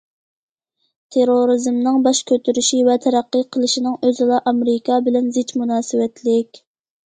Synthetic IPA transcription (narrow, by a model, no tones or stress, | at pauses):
t̪ʰeɾoɾizmnɨŋbɑʃkʲʰøt̪ʰyɾyʃivɛt̪ʰɛɾæqːəqʰəlˠɨʃinɨŋøzɨlˠɑʔɑmɾɪkʰɑbɪlɛnzɪt͡ʃmunɑːsɨwɛt̪ʰlɪkʲ